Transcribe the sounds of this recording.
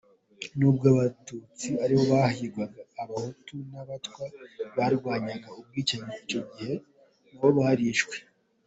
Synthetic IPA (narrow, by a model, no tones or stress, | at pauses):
nuːbɡaːβatut͡siaɾiho̞βahiɾɡwaɡaːβahotunaβatwaβaɾɡwaːɲaɡaub̚ɡiːt͡ʃaɲeit͡ʃo̞ɡihe̞ | ŋuβoβahaɾiːʃɡwe̥